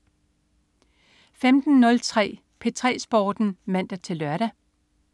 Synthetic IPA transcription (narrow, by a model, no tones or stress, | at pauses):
femd̥n̩ːɔ̽lt͡sʰʁɛ̰ː | pʰe̝t͡sʰʁɛ̰ːsb̥ɒːd̥n̩mæn̰d̥ɐt͡sʰe̝lːɶɐɾ̥æ